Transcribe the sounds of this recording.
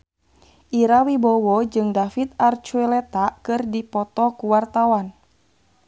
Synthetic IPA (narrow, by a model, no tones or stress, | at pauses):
ʔiɾawibɔwɔd͡ʒɨŋdafit̪̚art͡ʃuɛlɛt̪akɨrdipɔt̪ɔkuwart̪awan